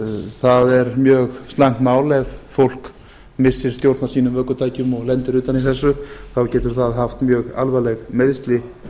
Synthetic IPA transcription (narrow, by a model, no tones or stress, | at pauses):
θaðɛɾmjœːɣst̪laŋ̥t̪maːwlɛvfowl̥k | mɪsːɪɾ̥st̪jowɾt̪nḁsiːnʏmvœːkʏt̪ʰaːjcʏmɔɣlɛnt̪ɪɾʏːt̪aniθɛsːʏθawcɛːt̪ʏɾ̥θaðɦaft̪mjœːɣa̰lvalɛɣmeðst̪lɪ